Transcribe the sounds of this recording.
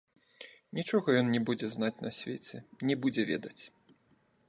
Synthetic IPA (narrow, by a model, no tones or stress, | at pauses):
nʲit͡ʂɔɣɐjɔnnʲɛbud͡zʲɛznat͡sʲnɐsʲvʲet͡sʲɛnʲɛbud͡zʲɛvʲɛ̰d̪ɐt͡sʲ